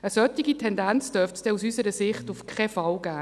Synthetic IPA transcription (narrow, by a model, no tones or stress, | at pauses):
əsœt̪ːiɡitʰɛndænt͡sd̥œɾftsd̥ɛusysəɾəsɪχtufkʰχɛfɑlɡæː